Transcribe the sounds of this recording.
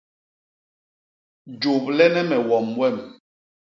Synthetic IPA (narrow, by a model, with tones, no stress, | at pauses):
d͡ʒo˨p̚lɛ˦nɛ˦mɛ˨wɔ˨mwɛ˦˨m